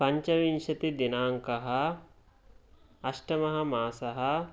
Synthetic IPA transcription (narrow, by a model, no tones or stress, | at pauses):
pɐɲt͡ʃɐʋinʃɐt̪id̪inaːŋkɐɦɐ | ɐʃʈɐmɐɦɐ̆maːsɐɦɐ